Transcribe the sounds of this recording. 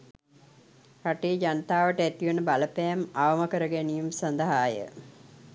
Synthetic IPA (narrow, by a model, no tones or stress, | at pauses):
raʈiːd͡ʒanət̪aːʋəʈəæt̪iʋənəbaləpɛːmaʋəməkəɾəɡænijumsand̪əɦaːjə̰